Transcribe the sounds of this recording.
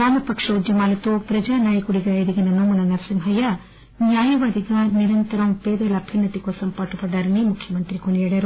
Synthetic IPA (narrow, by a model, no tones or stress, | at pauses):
aːnupɐkʂɐud͡ʒjɐmaːlɐt̪upɾɐd͡ʒaːnaːjɐkuɽiɡɐid̪iɡinɐnumunɐnɐɾsimɦɐjɐ | njaːjɐʋaːd̪iɡɐniɾɐnt̪ɐɾɐmpeːd̪ɐlɐbʱjɐnːɐt̪ikoːsɐmpaːʈupɐɖɐɾɐnimukʰːjɐmɐnt̪ɾikoɳijɐɽɐɾu